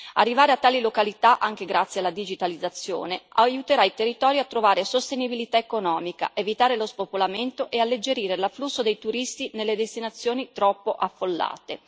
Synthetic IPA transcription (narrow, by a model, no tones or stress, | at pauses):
a̰rːivaːɾeat̪ːaːlilokalit̪aʔaŋk̟eɡɾat̪sːjealad̪id͡ʒit̪alid̪zːat̪sːjo̰ːnea̰jut̪eɾailt̪erːit̪ɔːɾjoat̪ːɾovaːɾesost̪enibilit̪aekonɔːmika̰ʔevit̪aːɾelospopolament̪oʔealːed͡ʒeɾiːɾelaflusːod̪ejt̪uɾist̪inelːed̪est̪inat̪sːjoːnit̪ɾɔpːoʔafːolːa̰ːt̪ḛ